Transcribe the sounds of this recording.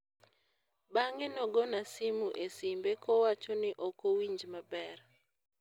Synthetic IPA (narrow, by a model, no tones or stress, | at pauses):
baŋenɔɡɔnasimuʔesimbekɔwat͡ʃɔnɪʔɔkowiɲd͡ʒmabɛr